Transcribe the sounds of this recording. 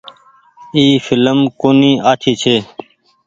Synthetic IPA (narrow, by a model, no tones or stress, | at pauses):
iːfɪləmkoːniːaːt̪ʰiːt͡ʃʰeː